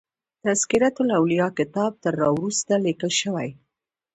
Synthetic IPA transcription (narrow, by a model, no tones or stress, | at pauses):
t̪askɪɾat̪ʊlawlijɑkɪt̪ɑb̚t̪əɾːɑwɾust̪alikəlʃəwaj